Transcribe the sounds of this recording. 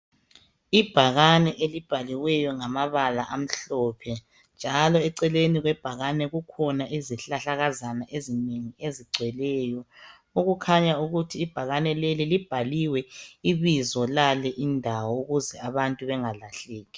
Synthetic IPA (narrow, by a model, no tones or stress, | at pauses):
ib̥ʱaɣanɛʔelib̥ʱaliwɛjɔŋamaβalaʔam̩ɬɔpʰɛ | nd͡ʒʱalɔɛǀɛleniɣwɛb̥ʱaɣanɛɣukʰɔnaʔiziɬaɬaɣazanaʔezineŋieziɡ͡ǀʱwɛlɛjɔ | uɣukʰaɲauɣutʰiːb̥ʱaɣanɛlelilib̥ʱaliwɛiβizɔlalɛʔindʱawɔuɣuzɛaβantʼuβɛŋalaɬeːɣi